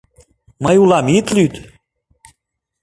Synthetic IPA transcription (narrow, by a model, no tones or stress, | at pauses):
majulɑmit̪lyt̪